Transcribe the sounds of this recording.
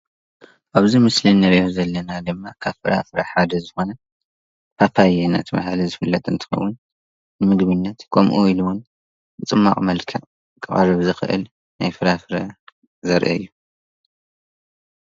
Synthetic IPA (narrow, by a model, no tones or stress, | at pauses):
ʔaβzimɨslinɐɾiozɐlːɐnad̪ɨmːakʰaβfɨɾa̰fɨɾaħad̪ɐzɨxo̞nɐ | pʰapʰajena̰t̪ʰɨma̰halizɨfɨlːɐt̪ʼɨnt̪ʰɨ̥xɐ̰wːʊnː | ɨmɨɡβɨnːɐt̪kʰo̰mʔuiluwʊn | bɨt͡sʼɨmːa̰χʼmɐlkʰɐ | kʼɨχʼa̰ɾɨβzɨxɨ̰ʔɨ̰l | najfɨɾafɨɾɐ | zɐɾʔɐ̰ɨ̰jːu